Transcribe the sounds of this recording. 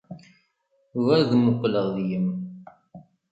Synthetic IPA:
væɾðmʊqːləʁðjəm

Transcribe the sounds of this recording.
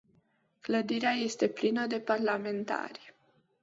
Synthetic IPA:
kləd̪iɾeaje̞st̪e̞plinəd̪e̞parlame̞nt̪a̰ɾʲ

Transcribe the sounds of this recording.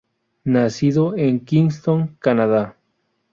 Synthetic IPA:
nasiðoeŋkiŋst̪oŋkanaða

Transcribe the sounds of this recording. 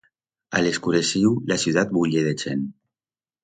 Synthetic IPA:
a̰leskuɾesiwlasjut̪at̪̚buʎeðet͡ʃen

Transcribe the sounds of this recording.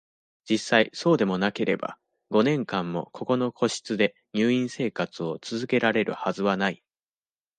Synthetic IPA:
d͡ʑisːaiso̞ːd̪e̞mo̞nake̞ɾe̞ba̰ | ɡ̥o̞nẽ̞ŋkãmːo̞̰kʰo̞ko̞no̞kʰo̞ɕi̥t͡sɨd̪e̞ | ɲ̟ʲɨːĩɰ̃se̞ːkat͡sɨo̞t͡sɨzɨke̞ɾaɾe̞ɾɯ̟hazɨβanai

